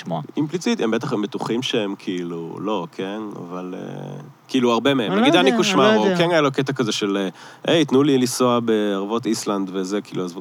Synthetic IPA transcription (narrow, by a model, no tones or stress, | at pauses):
moaimplit͡sit̪embet̪aχmbet̪uχimʃeemkʰiilṵlo̞kʰena̰valḛ | kiiːluaʁbe̞meemnaɡid̪anikuʃmaoukenajaloket̪̬akazeʃele | ʔejit̪nulilisoabeaʁvo̞t̪island̪vezekiḭːluazvu